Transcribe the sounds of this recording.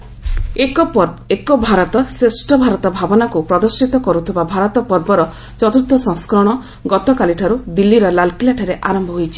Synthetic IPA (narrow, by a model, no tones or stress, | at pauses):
ekɔpekɔbʱaɾɔt̪ɔsɾesʈɔbʱaɾɔt̪ɔbʱabɔnakupɾɔd̪ɔɾsit̪ɔkɔɾut̪ʰibabʱaɾɔt̪ɔpɔɾbɔɾɔ | t͡ʃɔt̪uɾt̪ʰːɔsɔ̃ŋskɾɔɽ̃ɔ | ɡɔt̪ɔkaliʈʰaɾud̪ilːiɾɔlalkilaʈʰɔɾeʔaɾɔmbʱɔɦojt͡ʃʰi̥